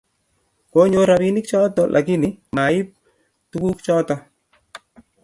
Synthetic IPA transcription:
ko˦ɲo˦ɾa˨bi˦nɪ˦k̚t͡ʃɔ˦tɔlʔa̰˨k̬ɪ˦nɪma˨ɪ˦p̚ | tu˦ku˦kt͡ʃɔ˦tɔ˨

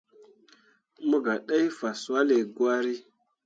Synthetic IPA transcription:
mə˦ɡa˨ɗa˦jfa˨swa˦le˨ɡwa˦ɾi˦

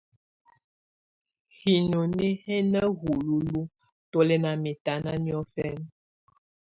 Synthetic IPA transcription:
hi˨no˨ne˦hɛ˦nə˦ɣu˨lu˦lu˦ | to˦lɛ˦na˨mɛ˨ta˨˦na˦njɔ˦fɛ˦n

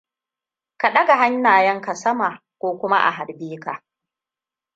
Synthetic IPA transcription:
ka˨ɗɐ˦ɡa˨ɦa˦ɲːaː˨jɐ˦ŋka˨sɐ˦maː˨ | kʷoː˦kʷʊ˦ma˦ʔa̰˨ɦa˨rbiː˦ka˨

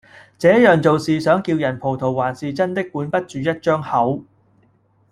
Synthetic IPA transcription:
t͡sɛː˨˥jœː˨ŋt͡so˨wsiː˨sœː˨˥ŋkiː˧wjɐ˨˩npʰo˨˩wt̪ʰo˨˩wwaː˨˩nsiː˨t͡sɐ˥nt̪ɪ˥kːuː˨˥npɐ˥t̚t͡ʃyː˨˧jɐ˥t̚t͡ʃœː˥ŋhɐ˨˥w

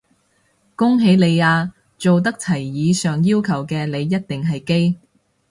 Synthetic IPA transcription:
kʊ˥ŋɦe˨˧˥jle˨˧jaː˧ | t͡so˨wt̪̬ɐ˥k̚t͡sʰɐ˨˩jːiː˨˧sœː˨ŋjiː˥wkʰɐ˨˩wkɛː˧le˨˧jːɐ˥t̚t̪ɪ˨ŋɦɐ˨jke˥j

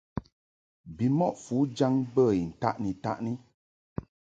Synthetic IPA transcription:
bi˨mɔ˦ʔfu˨˦d͡ʒa˦ŋbə˦˨i˨n̩˨ta̰˦˨ʔni˨ta̰˦ʔni˦

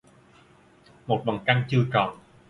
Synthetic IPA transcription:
mo˨˩t̚ɓa˨˩ŋka˧ŋt͡ɕɨ˧əkɔ˨˩n

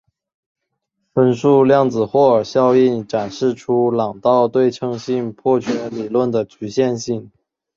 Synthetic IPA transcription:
fə˥nʂu˥˧ljɑ˥˩ŋd͡zɹ̩˨˩xwɔ˥˩ə˞˨˩ɕjɑ˥˧ʊi˥˩nʈ͡ʂa˨˩nʂɻ̩˥˩ʈ͡ʂʰu˥lɑ˨˩ŋt̪ɑ˥˧ʊt̪we˥˩ɪʈ͡ʂʰɤ˥ŋɕi˥˧npʰwɔ˥˩t͡ɕʰɥɛ˧˥nli˨˩lwə˥˩nd̪ə˩t͡ɕʰy˧˥ɕjɛ˥˧nɕi˥˩ŋ

